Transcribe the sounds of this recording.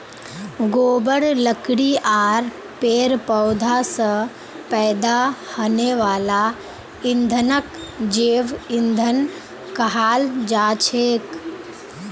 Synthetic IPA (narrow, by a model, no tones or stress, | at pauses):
ɡoːbəɽləkɽiʔaːɾ | peːɾpəːd̪ʱasə | pɛːd̪ahoːneʋaːla | ɪnd̪ʱənəkd͡ʒeːʋɪnd̪ʱən | kəɦaːld͡ʒaːt͡ʃʰeːk